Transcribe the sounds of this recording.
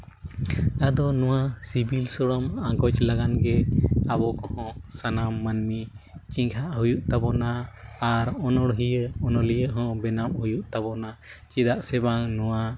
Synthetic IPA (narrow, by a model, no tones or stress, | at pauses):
ad̪ɔnũwasibilsɔɽɔmaŋɡɔt͡ʃlaɡanɡɛabɔkɔhɔ̃sanamːanmit͡ʃiŋɡʰaʔɦujuʔt̪abɔnaːɾɔnɔɽɦijəɔnɔlijəɦɔ̃bɛnamhujuʔt̪abɔnat͡ʃid̪aʔsɛbaŋnuwa